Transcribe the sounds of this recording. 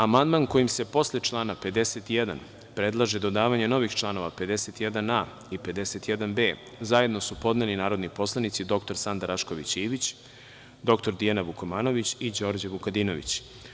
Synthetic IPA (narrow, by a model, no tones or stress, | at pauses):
amand̪manko̞jimse̞po̞sle̞t͡ʃlˠaːnape̞d̪e̞set̪ijed̪a̰n | pɾe̞d̪lˠaʒed̪o̞d̪aːʋaɲeno̞ʋixt͡ʃlˠano̞ʋape̞d̪eset̪jed̪ana | ipe̞d̪e̞set̪jed̪anbeː | zaje̞d̪no̞supo̞d̪nelinaːɾo̞d̪nipo̞slˠanit̪sid̪o̞kt̪o̞ɾsand̪aɾaʃko̞ʋḭt͡ɕiːʋit͡ɕ | d̪o̞kt̪oɾd̪ijanaʋukomaːno̞ʋit͡ɕid͡ʑo̞ːɾd͡ʑaʋukad̪ino̞ʋḭt͡ɕ